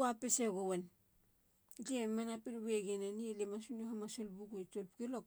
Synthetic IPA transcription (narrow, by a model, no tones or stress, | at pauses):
apeseɡowen | d͡ʒiemanapinβeɡenanielemasunohamasolbuɡojtolpkelok